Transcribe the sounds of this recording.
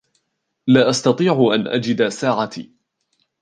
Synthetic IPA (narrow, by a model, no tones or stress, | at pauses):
laːʔast̪ɑt̪ˤiːʕʊʔanʔa̰d͡ʒɪd̪asaːʕat̪ḭː